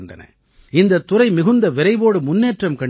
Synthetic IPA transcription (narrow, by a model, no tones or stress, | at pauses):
nd̪ɐ̰nɐ̰ | ɪnd̪ɐt̪ːʊɾɐɪmɪɣɯnd̪ɐʋɪɾɐɪʋoːɽɯmʊnːeːʈrɐmkɐɳ